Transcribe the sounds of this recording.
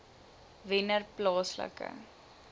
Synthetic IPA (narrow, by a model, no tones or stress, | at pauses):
vɪnərplɑːslə̰kə̰